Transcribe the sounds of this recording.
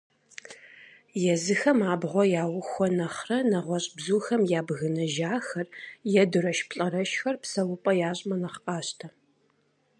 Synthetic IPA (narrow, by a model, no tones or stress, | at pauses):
jɛzɨxɐmaːbʁʷɔjaːwʊxʷɔnɐχrɐnɐʁʷɔɕʼbzuːxɐmjaːbɣɨnɐʒaːxɐrjɛdɨɾɐʃpɬʼɐrɐʃxɐrpsɐwʊpʼɐjaːɕʼmɐnɐχqɑːɕtʰɐ